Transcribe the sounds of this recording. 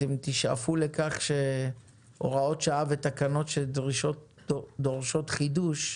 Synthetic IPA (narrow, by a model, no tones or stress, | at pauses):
emt̪iʃa̰fule̞kaχʃe̞ | ʔo̞̰ʁao̞tʃaavet̪akano̞tʃeld̪ʁiʃo̞t | d̪o̞ʁʃo̞t̪χiduʃ